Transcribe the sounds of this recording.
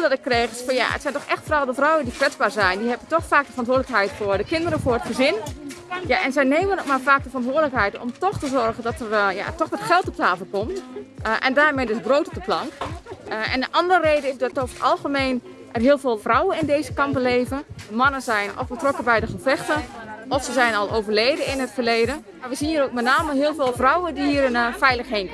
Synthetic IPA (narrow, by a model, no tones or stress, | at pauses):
dɔtɪkːreːxəsfɑnja̰ʔə̰tsɛjntɔxɛxtfrɔːldəfrɔwəndikʋɛt͡sbaːɹzɛjndiɦɛbətɔxfaːk̚dəfərɔntʋoːdləkɦɛjtfʊəɹdəkɪndəɾəfʊːrətχəzɪnjaʔɛnzɛjneːmənotmaːɹfaːk̚dəfərɔntʋoːədləkɦɛjtɔ̰mtɔxtəzɔrɣəndɔtərja̰tɔxʋɔtxɛlˠtɔp̚taːfəl̩ˠkɔmtʔɛ̰ndaːrmejdøsbroːtɔp̚dəplɑŋk | ɛ̰ndəʔɑndərəreːdəɪsdɔtofətɑlˠɣəmeːn | ʔɛrɦiəlˠveːlˠfrɔwənɪndeːzəkɑmpbəleːvənəmɑnənzɛjnɔ̰fbətrɔkəbɛjdəxəfɛxtəʔɔfsəzɛjnɔlˠoːvərleːdəɪnɦətfərleːdə | maʋəziniːɾowk̚mɛtnaːməɦɪəlˠveːlˠfrɔwədiiːəɾənfɛjləxɦeːnk